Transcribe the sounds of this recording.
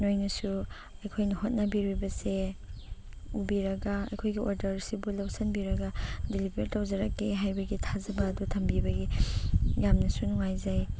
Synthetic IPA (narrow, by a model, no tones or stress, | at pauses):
nojnɐsu | ɐjkʰojnɐɦot̚nɐbiɾubɐse | ubiɾɐɡɐɐ̰jkʰojɡiʔoɾdɐɾsibulɐwsɐnbiɾɐɡɐdilibeɾtawzɐɾɐkːeɦajbɐɡitʰazɐbɐːdutʰɐmbibɐɡi | jamnɐsunuŋajzaj